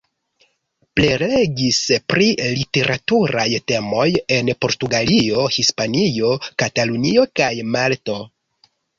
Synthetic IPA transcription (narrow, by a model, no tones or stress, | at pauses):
plele̞ɡispɾilite̞ɾʔatuɾajte̞mo̞je̞npo̞ɾtuɡalio̞hispanio̞katalunio̞kajmalto̞